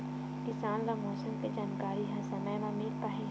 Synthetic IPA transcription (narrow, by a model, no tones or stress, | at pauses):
kɪsaːnlamɔːsəmked͡ʒaːnkaːɾiɦɐ̃sɐmɛːlamiːlpaɦẽ